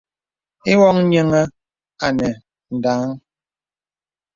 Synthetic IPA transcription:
i˦wɔ˦ŋ˦ɲɛ˦ŋɛ˦ | a˨nɛ˨ | n̩˨daː˨˦ŋ

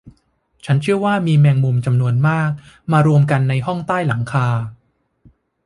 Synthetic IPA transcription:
t͡ɕʰa˦˥nt͡ɕʰɯ˥˩əwaː˥˩miː˧mɛː˧ŋmu˧mt͡ɕa˧mnu˧ənmaː˥˩k̚ | maː˧ɾu˧əmka˧nːa˧jɦɔ˥˩ŋt̪aː˥˩jla˩˦ŋkʰaː˧

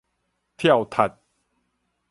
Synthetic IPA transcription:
t̪ʰja˥˨wt̪ʰa˨˩t̪̚

